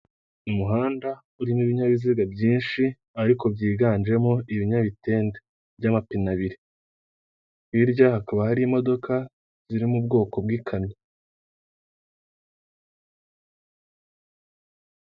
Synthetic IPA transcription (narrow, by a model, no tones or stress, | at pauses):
umuɦaːnda | uɾimiβiɲaβiziɡabɟiːnʃi | aɾiko̞bɟiːɡaːnd͡ʒe̞mo̞iβiɲaβite̞ːnde | bɟamapinaβiɾe | hiɾɟahakaβahaɾiːmo̞do̞ka | z̥iɾimub̚ɡo̞ːko̞b̚ɡiːkʰamɲe